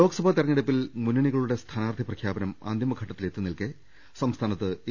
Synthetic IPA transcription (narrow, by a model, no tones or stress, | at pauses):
o̞ːɡɐsɐbʱat̪irɐɲːiɽɐpːilmunːɐɳiɣɐɭuɽe̞st̪ʰaːnaːrd̪ʱiprɐkʰjaːbɐnɐma̰ːnd̪jimɐɡʱɐʈːɐt̪ːile̞t̪ːunːilkɨ | sɐmst̪ʰaːnɐt̪ːɨi